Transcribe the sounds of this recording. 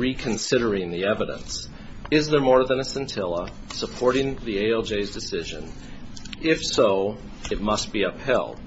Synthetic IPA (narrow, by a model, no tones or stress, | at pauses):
ɹikʰɨ̃n̩sɪɾə˞ɪ̃ŋðiɛvɨɾə̰̃ns | ɪzðə˞mɔɹðɨ̃nɨsɨ̃ntʰɪlˠə | səpʰɔɹɾɪ̃ŋðieɪɛlˠd͡ʒeɪzdɨsɪʒɨ̰̃n | ɪfsoʊ | ɨt̚mʌst̚b̥iʌphɛ̰lˠd̥